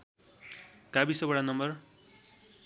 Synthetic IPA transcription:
kabisʌbʌɽanʌmbʌr

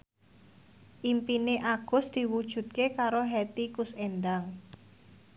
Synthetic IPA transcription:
ʔimpineʔaɡ̥ʊ̤sd̪̥i̤wud̥ʒ̥ṳt̪̚kekaɾoɦɛt̪ikusenɖaŋ

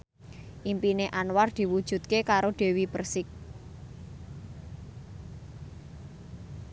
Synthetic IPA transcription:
ʔimpineʔanward̪̥i̤wud̥ʒ̥ṳt̪̚kekaɾoɖ̥e̤wibərsɪk̚

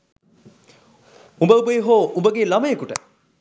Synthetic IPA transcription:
umbəubəiɦoːumbəɡeːlɐmɐjekuʈə̰

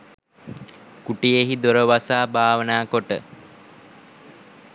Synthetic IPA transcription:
kuʈijeɦid̪oɾəʋasaːbaːʋənaːkoʈə̰

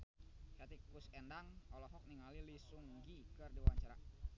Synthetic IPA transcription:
kat̪ikusɛndaŋɔlɔɦɔk̚niŋalilisuŋɡikərdiwaɲt͡ʃaɾa̰

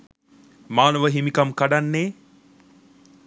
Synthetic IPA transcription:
maːnəʋəɦimikamkaɖanːeː

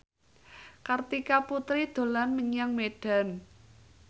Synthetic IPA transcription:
kart̪ikaput̪ɾid̪̥o̤lanməŋjaŋmeɖ̥a̤n

